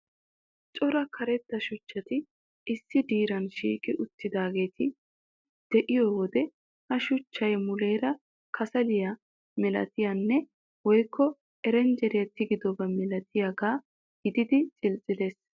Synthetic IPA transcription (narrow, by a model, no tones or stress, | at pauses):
t͡ʃʼɔɾɐkʰɐɾɛt̪ːɐʃʊt͡ʃːɐt̪ɪ | ɪsːɪd̪iːɾɐnʃḭːkʼɪʔʊt̪ːɪd̪aːɡe̞ːt̪ʰɪ | d̪̥ɛʔɪjɔwɔd̪ɛ | hɐʃʊt͡ʃːɐjmʊle̞ːɾɐ | kʰɐsɐlɪjɐ | mɛlɐ̰t̪ɪjanːɛ | wɔjkʰːɔ | ɛɾɛnd͡ʒɛɾɪjɐt̪ɪɡɪd̪ɔbɐmɛlɐt̪ʰɪjaɡaː | ɡ̥ɪd̪ɪd̪ɪt͡sʼɪlt͡sʼːɪd̪e̞ːs